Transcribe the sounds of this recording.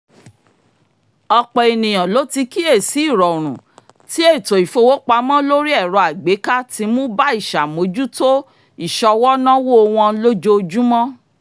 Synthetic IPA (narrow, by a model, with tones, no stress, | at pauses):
ɔ˧k͡pɛ˨i˨nĩ˨j̃ã˨lo˦ti˧ki˦e˦˨si˨˦i˦˨ɾɔ˨o˨ɾ̃ũ˨ | ti˦e˦˨to˨i˨fo˧wo˦k͡pa˧˦mɔ̃˦lo˦ɾi˦ɛ˦˨ɾɔ˨˧a˨ɡ͡be˨˦ka˦ti˧˦mũ˦ba˦i˦˨ʃa˨mo˨˦d͡ʒu˦to˦ | i˦˨ʃɔ˧wɔ˦nã˦wo˦o˧w̃ɔ̃˧˦lo˦d͡ʒo˦˧d͡ʒu˦mɔ̃˦